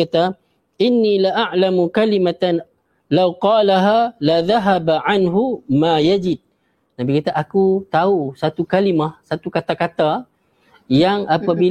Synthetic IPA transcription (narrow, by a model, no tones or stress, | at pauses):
at̪a | ʔɪnːilaʔaʕlamukalimat̪an | lawqɑːlaɦalaðaɦabʕanɦumajad͡ʒɪd̪̚ | nabikat̪aʔakut̪ausat̪ukalimahsat̪ukat̪akat̪a | jaŋapabi